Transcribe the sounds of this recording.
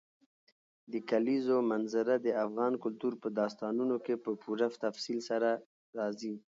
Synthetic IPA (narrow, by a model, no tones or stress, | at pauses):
d̪əkalizomanzaɾad̪əafɣɑnkʊlt̪uɾpəd̪ɑst̪ɑnunokepəpuɾaft̪afsilsaɾa | ɾɑzi